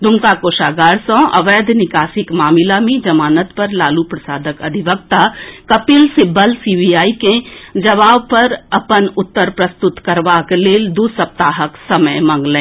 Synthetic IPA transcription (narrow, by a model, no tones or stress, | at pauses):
d̪ʊmkakoːʃaːɡaːɾsɔ̃ʔɐ̰ʋɛːd̪ʱnɪkaːsɪkmaːmɪlamẽd͡ʒɐmaːnət̪pɐɾlaːlupɾɐsaːd̪əkɐd̪ʱibək̚t̪akɐpilsɪbəlsiːbiaːikẽd͡ʒɐʋaːʋpɐɾɐpənʊt̪ːəɾpɾɐst̪ʊt̪kɐɾʋakleːd̪usɐp̚t̪aːɦəksɐməjmɐ̃ŋɡlẽː